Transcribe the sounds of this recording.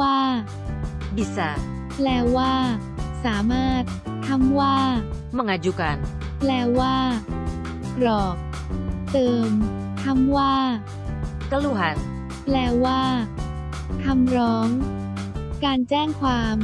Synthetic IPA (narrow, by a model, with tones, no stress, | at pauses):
waː˥˩ | bi˨˩sa˨˩˦ | plɛː˧˥waː˥˩ | saː˩˦maː˥˩t̪̚ | k̪ʰːa˧˥˩mwaː˥˩ | ma˧˩ŋa˧ju˧ka˧n | plɛː˧˥waː˥˩ | ɾɔː˨˩k̚ | t̪ɤː˧m | t̪ʰa˧˥mwaː˥˩ | ka˧lu˧˩ɦa˨˦n̚ | plɛː˧˥waː˥˩ | k̪ʰa˧mɾɔː˦˥ŋ | kaː˧nt͡ɕɛː˥˩ŋkʰwaː˧m